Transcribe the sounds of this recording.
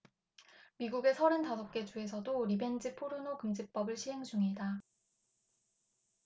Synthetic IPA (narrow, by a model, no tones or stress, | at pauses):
miɡuɡe̞sʰʌɾɯntasʰʌp̚k͈e̞t͡ɕue̞sʰʌdoɾibe̞nd͡ʑipʰoɾɯnokɯmd͡ʑip͈ʌbɯɭɕʰiɦe̞ŋd͡ʑuŋeda